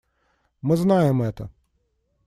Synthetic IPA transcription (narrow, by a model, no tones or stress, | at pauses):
mɨznajɛmɛt̪ɐ̰